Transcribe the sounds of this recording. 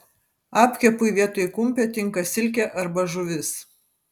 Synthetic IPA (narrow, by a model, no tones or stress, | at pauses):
ɑːpʲkʲɛpʊɪʋʲiɛt̪oːjɪkʊmʲˑpʲoːt̪ʲɪŋˑkɐsʲɪlʲkʲɛʔɐɾbɐʒʊʋʲɪs